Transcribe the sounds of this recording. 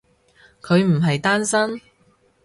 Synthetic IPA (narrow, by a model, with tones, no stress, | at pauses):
kʰɵ˨˧ɥm̩˨˩ɦɐ˨jt̪aː˥nsɐ˥n